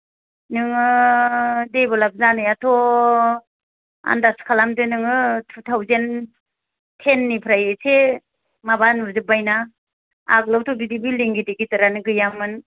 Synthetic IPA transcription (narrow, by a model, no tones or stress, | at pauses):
nɯŋɯ | debɔlap̚zanɯjatʰɔ | a̰ndaskʰalamdɯnɯŋɯtʰutʰawzen | tʰenːipʰɾajese | mabanbɯzɯbajna | a̰k̚lawtʰɔɡidibiliŋɡidiɡitɯɾanɯɡɯjamːɯn